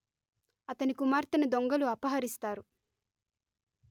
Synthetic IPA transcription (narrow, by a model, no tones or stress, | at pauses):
ɐt̪ɐnikumaːɾt̪ɐnɐd̪oŋɡɐluɐpɐɦɐɾist̪aːɾu